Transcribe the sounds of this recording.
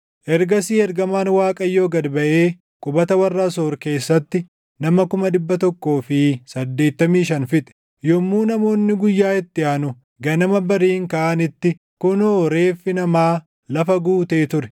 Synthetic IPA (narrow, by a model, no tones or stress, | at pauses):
ʔɛɾɡɐsiːɛɾɡɐmaːnwaːkʼɐjːo̞ːɡɐd̪bɐʔe̞ː | kʼʊbɐt̪ɐwɐrːaːsoːɾke̞ːsːɐt̪ːɪ | nɐmɐkʊmɐd̪ɪbːɐt̪ɔkːo̞ːfɪsɐd̪ːe̞ːt̪ːɐmiːʃɐnfɪt̪ʼɛ̥ | jɔmːuːnɐmo̞ːnːɪɡʊjːaːɪt̪ːɪʔaːnʊ | ɡɐnɐmɐbɐɾiːŋkaːʔɐnɪt̪ːɪ | kʊnoːɾeːfːɪnɐmaː | lɐfɐɡuːt̪eːt̪ʊɾɛ̥